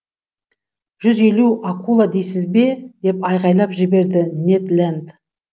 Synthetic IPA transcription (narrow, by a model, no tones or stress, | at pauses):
ʒ̥ʏze̞luakʰulˠad̪ejsɪzbe̞d̪e̞pɑjʁɑjlˠɑpʒɪbe̞ɾd̪ɪnet̪lʲænd̪